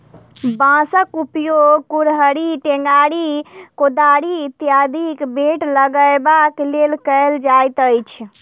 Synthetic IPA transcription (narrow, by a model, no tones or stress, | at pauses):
bãsəkupjoɡkuɾɦəɾiʈeŋɡaɽikod̪aɽit̪jad̪ikbeʈləɡəjbaklelkəɪld͡ʒajt̪əjt͡ʃʰ